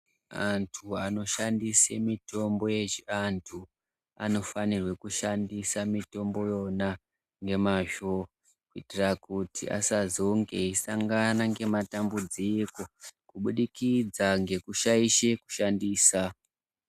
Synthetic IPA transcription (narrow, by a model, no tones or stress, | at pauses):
antʰuano̞ʃandisemito̞mbo̞je̞ʒiantʰu | a̰no̞fanirwe̞kuʃandisamito̞mbo̞jo̞na | ŋɡe̞maʒo | kuitirakutʰḭʔa̰sazoŋɡe̞isaŋɡanaŋɡe̞matambud͡ziko̞kuɓuɗikid͡zaŋɡe̞kuʃaiʃe̞ku̥ʃandiːsa